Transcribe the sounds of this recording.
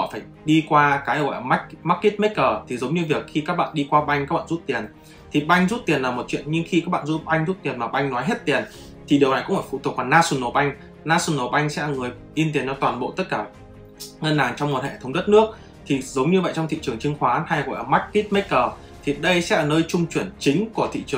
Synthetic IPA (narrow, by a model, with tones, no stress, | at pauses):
hɔ̰˧˨faː˧˩j | ɗi˧kwaː˧kaː˨˦jɣɔ̰˧˨jʔəː˧˩ma˦˥k̚maː˦˥k̚ki˦˥t̚me˦˥kəː˨˩t̪ʰi˨˩zə˨˦wŋ͡mɲɨ˧vi˨˩ək̚xi˧kaː˦˥k̚ɓa̰ː˧˨nɗi˧kwaː˧ɓa˧jŋ̟kaː˦˥kɓa̰ː˧˨zu˦˥t̚t̪i˨˩ən | t̪ʰi˨˩ɓa˧jŋ̟zu˦˥t̚t̪i˨˩ənlaː˨˩mo˨˩t̚t͡ɕwḭ˧˨ənɲɨ˧ŋxi˧kaː˦˥k̚ɓa̰ː˧˨nzu˦˥t̚ɓa˧jŋ̟zu˦˥t̚t̪i˨˩ənmaː˨˩ɓa˧jŋnɔ˨˦jɦe˦˥t̚t̪i˨˩ən | t̪ʰi˨˩ɗi˨˩əwna˨˩jkʊ̰˧˥ŋ͡mfaː˧˩fu˧˩t̪u˨˩əkla˨˩naː˧su˧˩nːo˨˩ɓa˧jŋ̟ | naː˧su˧˩nːo˨˩ɓʔa˧jŋ̟sɛ̰˧˥lːŋɨ˨˩əj | ʔi˧nt̪i˨˩ənt͡ɕɔ˧t̪waː˨˩nɓo̰˧˨t̪ə˦˥t̚kaː˧˩ | ŋə˧nːaː˨˩ŋt͡ɕɔ˧wŋ͡mmo˨˩t̚hɛ̰˧˨˩t̪ʰə˨˦wŋ͡mɗə˦˥t̚nɨ˦˥ək̚ | t̪ʰi˨˩zə˨˦wŋ͡mɲɨ˧və̰˧˨jt͡ɕŋ͡mt̪ʰḭ˧˨t͡ɕɨ˨˩əŋt͡ɕɨ˧ŋxwaː˨˦ha˧jɣɔ̰˧˨jʔəː˧˩ma˦˥k̚ːi˦˥t̚me˦˥t̚kəː˨˩ | t̪ʰi˨˩ɗə˧jsɛ̰˧˥ʔəː˨˩nəː˧jt͡ɕʊ˧ŋ͡mt͡ɕwi˧˩ənt͡ɕï˨˦ŋ̟ku˧˩ət̪ʰḭ˧˨t͡ɕɨ˨˩əŋ